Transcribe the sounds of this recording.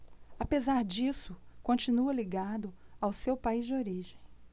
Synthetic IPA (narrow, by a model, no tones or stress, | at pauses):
apezaɾd͡ʒisʊkõt͡ʃĩnuɐliɡad̪ʊawsewpaizd͡ʒɪoɾiʒẽj̃